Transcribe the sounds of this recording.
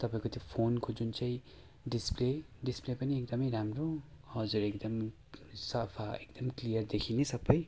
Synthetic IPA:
t̪ʌpaːĩkot̪ʰjõpʰonkod͡zunt͡saĩ | ɖispleɖisplepʌniek̚d̪ʌmʌjɾamɾoʌd͡zuɾekd̪ʌm | sʌpʰaek̚d̪̥ʌmklijʌɾd̪ekʰinisʌbʌj

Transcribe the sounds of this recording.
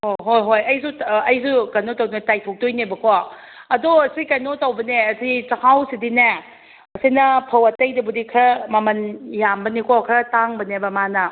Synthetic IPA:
hoɦojɦojɐjsuɐjsukajnotɐwdntajtʰok̚tojnebɐkʰɔɐdoɐsikajnotɐwbɐneɐsit͡ʃɐhʰawsidine | ɐsinɐpʰɐwɐtɐjdɐbudikʰɐmamɐnjambɐnikʰɔkʰɾɐtaŋbɐnebɐmanɐ

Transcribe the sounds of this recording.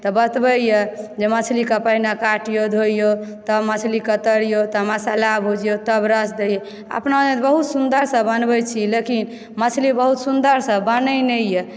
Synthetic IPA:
t̪ɔbət̪bəjɛd͡ʒemət͡ʃʰlikapəɦinakaʈjod̪ʱoijot̪əmət͡ʃʰlikət̪əɾijot̪əmasalabʱɦod͡ʒijot̪əbɾəsd̪ejɛ | ə̰pnad͡ʒet̪bəɦut̪sund̪əɾsəbənbəjt͡ʃʰilekin | mət͡ʃʰlibəɦut̪sund̪əɾsəbːənənɛjɛ

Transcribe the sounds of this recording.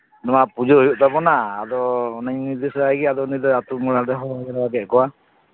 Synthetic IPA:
nɔmapud͡ʒɔɦojɔʔt̪abɔnaːd̪ɔːnaɲnid̪isɾajɡɛad̪ɔnid̪ɔat̪umɔɽaɾɛɦɔɡɛɾaaɡɛt̪̚ˀkɔwa

